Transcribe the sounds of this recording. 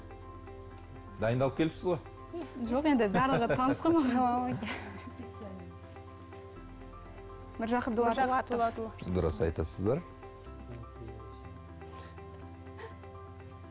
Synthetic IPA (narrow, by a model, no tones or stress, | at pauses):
d̪ɑjənd̪ɑlˠəpkʲʰelɪpsɪzʁoj | ʒo̞qe̞nd̪ɪbæɾləʁəɑnəsqɑmɑj | mɪɾʒɑqəb̚d̪ʊlˠɑt̪ɑt̪ˠɑt̪əlˠd̪ʊɾə̰sɑjt̪ɑsəzd̪ɑɾ